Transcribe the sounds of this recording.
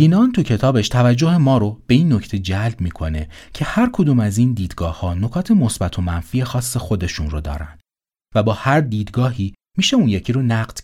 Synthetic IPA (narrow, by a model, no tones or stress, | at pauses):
iːnɒːnt̪ʰucʰe̞t̪ʰɒːbe̞ʃt̪ʰævæd͡ʒːohemɒːɾob̥e̞iːnːo̞cʰt̪ʰe̞d͡ʒælbmiːkʰo̞ne̞cʰe̞hæɾkʰod̪uːmæzind̪iːd̪̥ɡɒːhhɒːno̞kʰɒːt̪ʰe̞mo̞sbæt̪ʰo̞mænfiːje̞xɒːsːexo̞d̪e̞ʃunrod̪ɒ̰ːɾæ̰nd̪ | væbɒːhæɾd̪iːd̪ɡɒːɦiː | miːʃe̞unjecʰiːɾonæɢd̪̥